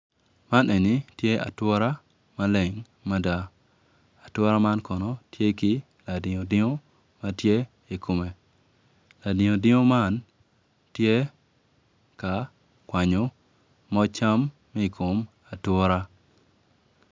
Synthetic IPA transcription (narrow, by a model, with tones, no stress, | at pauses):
ma˦nʔe˨ni˨˦tje˦a̰˨twɔ˦ɾa˦ | ma˦lɛ˨ŋ | ma˦da˦ | a˨twɔ˦ɾa˦ma˦nkɔ˨nɔ˦tje˦kɪ˦ | la˨dɪ˨ŋo˨dɪ˦ŋo˦ | ma˦tje˦ | i˨kʰo˨me˨ | la˨dɪ˨ŋo˨dɪ˦ŋo˦ma˦˨n | tje˦ | ka˨ | kwa˨ɲo˨ | mɔ˦t͡ʃa˦mː˦ | i˨kʰo˨m | a˨twɔ˦ɾa˦